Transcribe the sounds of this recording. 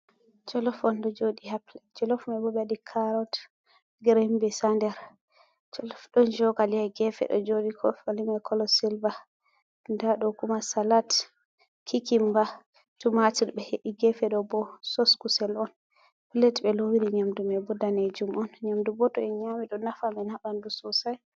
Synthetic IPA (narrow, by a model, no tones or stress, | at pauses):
t͡ʃɔlɔfɔndɔd͡ʒodihaplɛd͡ʒɔlɔfmɛbɔbɛaɗikʰaɾɔt | ɡɾembɛsandɛɾ | t͡ʃɔlɔfɗɔnd͡ʒɔɡaliaɡɛfɛ̰ɗɔ̰d͡ʒodikʰɔfalimɛkʰɔlɔsilva | ndaɗɔkumasalat | kʰikimba | tumatiɾbɛheʔiɡɛfɛɗɔbɔsɔskusɛlɔn | pilɛtbɛlowiɾiɲamdumɛbɔdaned͡ʒumɔnɲamdubɔtɔɛɲamiɗɔnafamɛnaɓandususaj